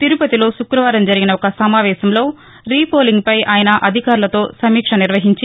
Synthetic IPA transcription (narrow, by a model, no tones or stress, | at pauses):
t̪iɾupɐt̪ilo̞ːʃukɾɐʋaːɾɐmd͡ʒɐɾiɡinɐɔkɐsɐmaːʋɛːsɐmlo̞ː | ɾiːpoːliŋɡ̚pɐjaːjɐnɐʔɐd̪ʱikaːɾulɐt̪o̞ːsɐmiːkʂɐniɾʋɐɦiɲt͡ʃi